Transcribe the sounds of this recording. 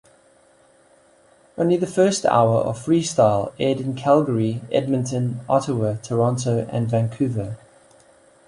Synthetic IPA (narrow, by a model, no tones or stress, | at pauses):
ə̃ʊ̃nliðəfɜˑstʰa̰ʊəɹʔə̰v̥fɹiːstaɪlˠɛːdɪ̃nkʰalˠɡəɹiɛ̰d̚mə̃ntʰə̃nɒtəwətʰəɹɒ̃ntəʊʔə̰̃nvæ̃ŋkʰʉːvə